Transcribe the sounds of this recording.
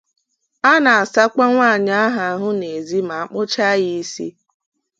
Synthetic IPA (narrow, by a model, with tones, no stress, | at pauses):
a˦na˨a˨sa˦ka˦ŋʷa˦˨ɲa˦a˦ɦa˨a˨ɦʊ˦ne˨zi˦ma˨a˨k͡pʊ˦t͡ʃa˦ɣi˦i˦sḭ˦